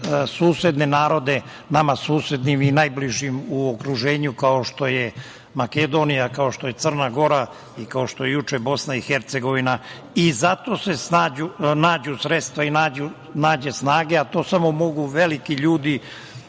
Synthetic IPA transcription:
suːsed̪ne̞naːɾo̞d̪e̞ | namasuːse̞d̪niminajbliʒimuokɾuʒe̞ːɲukao̞ʃt̪o̞je | maked̪o̞ːnijakao̞ʃt̪o̞je̞t̪ər̩naɡo̞ɾa | ikao̞ʃt̪o̞jejut͡ʃebo̞snaixeɾt̪se̞ɡo̞ʋina | izat̪o̞ːse̞snaːd͡ʑunaːd͡ʑusɾet̪st̪ʋainaːd͡ʑu | naːd͡ʑe̞snaːɡe̞at̪o̞ːsamo̞mo̞ɡuʋe̞likiʎuːd̪i

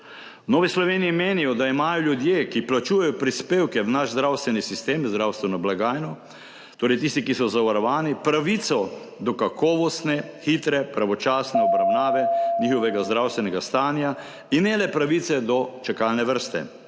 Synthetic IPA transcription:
wnoːʋislɔʋeːniːmeːnijɔd̪aimaːjɔljud̪jeːkiplat͡ʃuːjajɔpɾispeːwkɛʋnaʃzd̪ɾawst̪ʋɛnisist̪eːmzd̪ɾawst̪ʋɛnɔblaɡaːjnɔ | t̪oːɾɛjt̪̬ist̪ikisɔzaʋaɾɔʋaːnipɾaʋit̪sɔ | d̪ɔkakʰɔːʋɔst̪nɛxit̪ɾɛpɾaʋɔt͡ʃaːsnɛɔbɾawnaːʋɛɲixɔʋɛɡazd̪ɾawst̪ʋɛnɛɡast̪aːnja | inɛlɛpɾaʋit̪sɛd̪ɔt͡ʃakalnɛʋəɾst̪ɛ̰

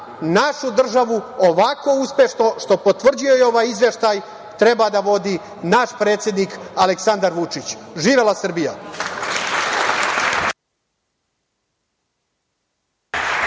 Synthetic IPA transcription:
naʃud̪r̩ʒaʋuoʋako̞uspʲje̞ʃno̞ʃt̪o̞po̞t̪ʋr̩d͡ʑujo̞jeo̞ʋaːjizʋe̞ʃt̪aj | t̪ɾe̞bad̪aʋo̞d̪i | naʃpɾeːt̪sje̞d̪niːkaleksand̪aɾʋut͡ʂit͡ɕʒiːʋelˠasr̩bija

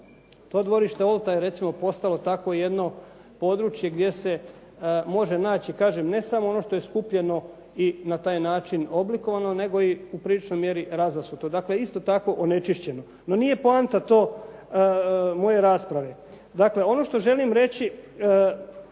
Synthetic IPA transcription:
t̪o̞ːd̪ʋo̞ɾiʃt̪eolˠt̪ajeɾe̞t̪simo̞po̞st̪alo̞t̪akoje̞d̪no̞ | po̞d̪ɾut͡ʃje̞ɡd̪je̞se̞ | mo̞ʒe̞naːt͡ɕikaːʒemne̞samoono̞ʃt̪o̞jeskupʎe̞no̞ | inat̪aːjnaːt͡ʃinobliko̞ʋanone̞ɡo̞iupɾilit͡ʃno̞jmje̞ɾiɾazasut̪od̪akleist̪o̞t̪ako̞ʔone̞t͡ʃiʃt͡ɕe̞no̞ | no̞nije̞poant̪at̪o̞ː | mo̞je̞ɾaːspɾaʋe̞ | d̪akle̞o̞no̞ʃt̪o̞ʒe̞limɾe̞t͡ɕi

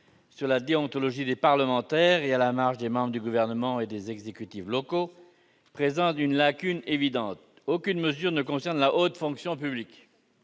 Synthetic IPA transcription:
syʁlad̪eɔ̃t̪ɔlɔʒid̪epaʁləmɑ̃t̪ɛːʁealamaʁʃd̪emɑ̃bʁəd̪yɡuvɛʁnəmɑ̃ed̪ezɛɡzekʲyt̪iflɔko | pχezɑ̃t̪ynlakʲynevid̪ɑ̃t̪ | okʲynməzyʁnəkɔ̃sɛʁnlaʔot̪fɔ̃ksjɔ̃p̬yblik

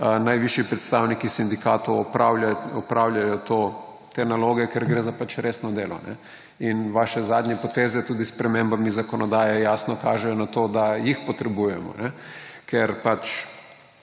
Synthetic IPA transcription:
najʋiʃjipɾɛt̪st̪aːwnikisind̪ika̰ːt̪owɔpawɔpɾawlʲjajɔt̪o | t̪eːnaloːɡɛkɛɾɡɾeːzapat͡ʃɾeːsnɔd̪eːlɔ̰nɛ̰ | inʋaʃɛzaːd̪ɲɛpɔt̪eːzɛt̪uːd̪ispɾɛmembamizakɔnɔd̪aːjɛjaːsnɔkaːʒɛjɔnat̪oːd̪ajixpɔt̪ɾɛbuːjɛmɔ̰nɛkʰɛɾpat͡ʃ

